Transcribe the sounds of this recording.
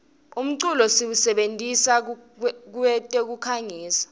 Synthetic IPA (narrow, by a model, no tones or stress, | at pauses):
um̩ǀulɔsiwusɛɓentʼisa | k̬uwɛtʼɛk̬ukʰaŋiːsḁ